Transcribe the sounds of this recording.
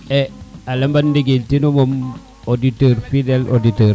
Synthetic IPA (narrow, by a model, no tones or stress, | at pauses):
ealɐmbandiɡeltinomom | oditəɾfidelʔoditəɾ